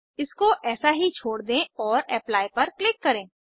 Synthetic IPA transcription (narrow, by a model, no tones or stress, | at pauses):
ɪskoʔɛːsaɦit͡ʃʰoːɽd̪ẽːɔːɾɛːplaːipɐɾklɪkːɐɾẽː